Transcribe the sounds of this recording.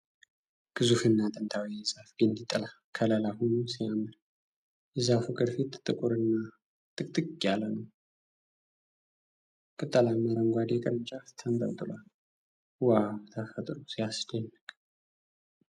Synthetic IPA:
ɡ̥ɨzufɨnːat̪ʼənt̪ʰawijɛzafɡind̪it̪ʼːəla | kʰələlahunusijamːɨn | jɛzafukʼɨd̪fit̪t̪ʼːɨkʼuɾɨnːa | t̪ʼɨk̚ʼt̪ʼɨkʼːialːənəw | kʼɨt̪ʼːəlaməɾəŋɡʷad̪jɛkʼəɾɨnt͡ʃʼaft̪ʰənt̪ʼə̰ɾt̪ʼɨlal | wawt̪ʰəfət̪ʼɾusijasd͡ʒənːɨkʼ

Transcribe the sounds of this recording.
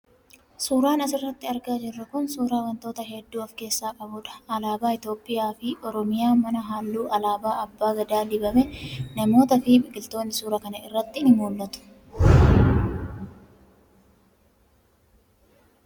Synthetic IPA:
suːɾaːnɐs̬ɪrːɐt̪ːɪɐɾɡaːd͡ʒɪrːɐkʊnsuːɾaːwɐnt̪o̞ːt̪ɐɦɛd̪ːuːɐfke̞ːsːaːkʼɐbʊᶑɐ̥ɐlaːbaːɪt̪jo̞ːpʼːɪjaːfɪʔɔɾɔmɪjaːmɐnɐɦaːlːuːʔɐlaːbaːɐbːaːɡɐd̪aːlɪbɐmɛnɐmo̞ːt̪ɐfɪbɪɡʼɪlt̪o̞ːnːɪsuːɾɐkɐnɐɪrːɐt̪ːɪɪnɪmuːlːɐt̪ʊ̥

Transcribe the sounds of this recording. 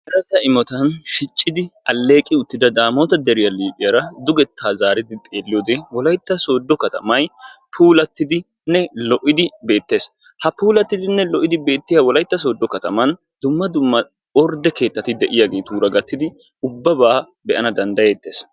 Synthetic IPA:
hɛɾɐtːɐɪmɔt̪ɐnʃɪt͡ʃʼːɪd̪ɪɐlːe̞ːkʼɪʊt̪ːɪd̪ɐd̪aːmoːt̪ɐd̪ɛɾɪjɐliːpʼɪjɐɾɐd̪ʊɡɛt̪ʰːaːzaːɾɪd̪ɪt̪ʼeːlːɪjoːd̪ɛwɔlɐjt̪ːɐso̞ːd̪ːɔkɐt̪ɐ̰mɐjpʰuːlɐt̪ːɪd̪ɪ | nɛlɔʔɪd̪ɪbe̞ːt̪ːe̞ːs | hɐpuːlɐt̪ːɪd̪ɪnːɛlɔʔɪd̪ɪbe̞ːt̪ːɪjawɔlɐjt̪ːɐs̬o̞ːd̪ːɔkɐt̪ɐmɐn | d̪̥ʊmːɐd̪ʊmːɐ | ɔɾd̪ɛke̞ːt̪ːɐt̪ɪd̪ɛʔɪjaːɡe̞ːt̪uːɾɐɡɐt̪ːɪd̪ɪ | ʊbːɐbaː | bɛʔɐnɐd̪ɐnd̪ɐjet̪ːe̞ːs

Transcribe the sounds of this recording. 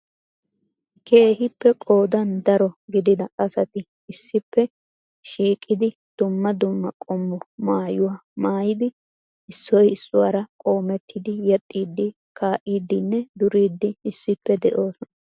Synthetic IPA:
kʰe̞ːhɪpːɛkʼo̞ːd̪ɐnd̪ɐɾɔɡɪd̪ɪd̪ɐʔɐsɐt̪ɪ | ɪsːɪpːɛ | ʃiːkʼːɪd̪ɪ | d̪̥ʊmːɐd̪ʊmːɐkʼɔmːɔmaːjʊwaːmaːjɪd̪ɪ | ɪsːɔjɪsːʊwaːɾɐkʼo̞ːmɛt̪ʰːɪd̪ɪjɛt̪ʼːiːd̪ːɪ | kʰaːʔiːd̪ːɪnːɛd̪ʊɾiːd̪ːɪɪsːɪpːɛd̪ɛʔo̞ːsɔnɐ

